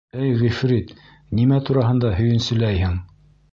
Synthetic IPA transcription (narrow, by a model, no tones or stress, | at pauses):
æjʁifɾit̪ | nimæt̪uɾɑɦɤ̆nd̪ɑhɵ̆jɘ̆nsɵ̆læjhɘŋ